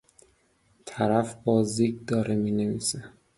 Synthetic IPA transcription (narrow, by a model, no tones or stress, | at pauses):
t̪ʰæɾæfbɒːziːɡd̪ɒːɾemiːneviːse